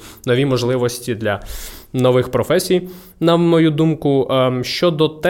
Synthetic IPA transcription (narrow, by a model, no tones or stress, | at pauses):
nɔʋʲimɔʒlˠɪʋɔsʲtʲid̪lʲɐnɔʋɪxpɾɔfɛsʲij | nɐmɔjud̪umkʊʃt͡ʃɔd̪ɔt̪ɛ